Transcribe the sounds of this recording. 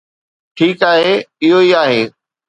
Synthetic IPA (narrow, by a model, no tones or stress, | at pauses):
ʈʰiːkaːɦeːɪɦoiaːɦeː